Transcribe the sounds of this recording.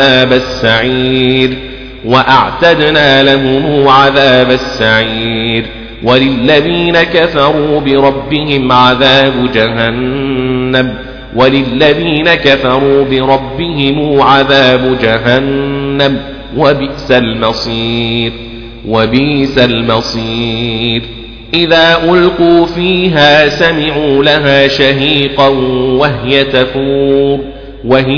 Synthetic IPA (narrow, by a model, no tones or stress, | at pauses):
aːbasːaʕiːd | waʔaʕt̪ad̪naːlaɦʊmuʕaðaːbasːaʕiːd̪ | walɪlːaðiːnakafɑɾˤuːbɪɾˤɑbːɪhɪmʕaðaːbʊd͡ʒaɦanː | am | walɪlːaðiːnakafɑɾˤuːbɪɾˤɑbːɪhɪmuːʕaðaːbʊd͡ʒaɦanːam | wabɪsalmɑsˤiːɾ | wabiːsalmɑsˤiːɾ | ʔɪðaːʔʊlquːfiːɦaːsamɪʕuːlaɦaːʃaɦiːqɑwaɦɪjat̪afuːɾ | waɦɪ